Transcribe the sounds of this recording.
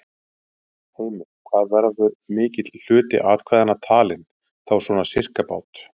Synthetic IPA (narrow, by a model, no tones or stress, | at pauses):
hɛmʏkʰvaːðvɛɾðʏɾmɪːcɪt̪ll̥ʏːt̪ɪ̰ʔaːt̪kʰvajðanat̪ʰaːlɪn | θawsɔnasɪr̥kapaːwt̪